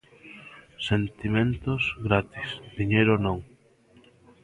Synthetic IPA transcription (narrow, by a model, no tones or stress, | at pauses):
sent̪imẽnt̪ozɣɾat̪isðiɲejɾonõŋ